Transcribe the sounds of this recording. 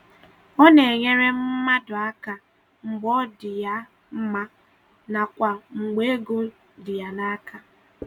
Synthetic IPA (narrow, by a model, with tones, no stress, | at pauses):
ɔ˦ne˨e˨ɲe˦ɾe˦m̩˦ma˦dʊ˨a˦ka˨ | ŋ͡m̩˨ɡ͡bɔ˦dɪ˨ja˦ | m̩˦ma˦ | na˨kʷa˨ŋ͡m̩˨ɡ͡be˦e˦ɡu˦ | dɪ˨ja˨na˦ka˨